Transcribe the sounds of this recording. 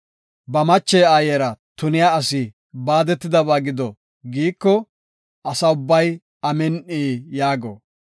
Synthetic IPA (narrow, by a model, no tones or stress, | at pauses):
bɐmɐt͡ʃːɛjaːjɛɾɐt̪ʊnɪjaɐsɪ | baːd̪ɛt̪ːɪd̪ɐβaːɡɪd̪ɔ | ɡiːkːɔ | ʔɐsɐʊbːɐj | ɐmɛnʔiːjaːɡo̰